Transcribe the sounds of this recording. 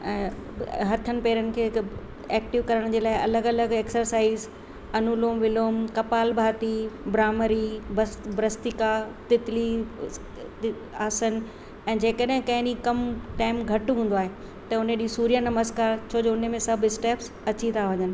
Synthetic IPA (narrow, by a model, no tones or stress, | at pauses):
ɛ̃ːɦɐt̪ʰənɪ̆peːɾənɪ̆kʰeː | ɛːk̚ʈɪʋkɐɾəɽ̃d͡ʑeːlaːɪɐləɡɐləɡeːksəɾsaːiz | ɐnuloːmʋɪloːmkɐpaːlbʱaːt̪ibɾaːməɾibsbɾəst̪ɪkat̪ɪt̪li | aːsən | ɛ̃ːd͡ʑeːkəɗɦɪ̃kɐ̃ɦɪ̃ɗikɐmʈaːɪmɡʱɐʈɦũːn̆d̪oaːɦe | t̪ɐʊneɗisuːɾijanɐməzkaːɾt͡ɕʰoːd͡ʑoʊn̤mẽsɐbʱɪsʈeːps | ɐt͡ɕit̪ʰaʋɐɲənɪ̆